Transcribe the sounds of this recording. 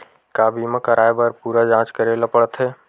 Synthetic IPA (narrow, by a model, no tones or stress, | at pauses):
kaːbʱimə̃kəɾaːjbəɾpuːɾad͡ʒãːt͡ʃkəɾeləpəɽət̪ʰeː